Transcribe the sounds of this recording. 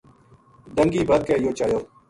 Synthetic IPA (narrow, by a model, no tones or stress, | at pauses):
d̪əŋɡiːbəd̪̚keːjoːt͡ʃaːjoː